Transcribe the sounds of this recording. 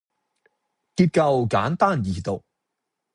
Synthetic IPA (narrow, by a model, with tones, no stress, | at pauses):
kiː˧p̚kɐ˧wkaː˨˥nt̪aː˥˩njiː˨˩t̪o˨k̚